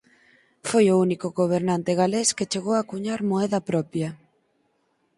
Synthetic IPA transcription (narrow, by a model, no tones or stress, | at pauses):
fojʊunikʊɣoβ̞eɾnant̪ɪɣalesket͡ʃeɣowakuɲaɾmoɛðɐpɾɔpjɐ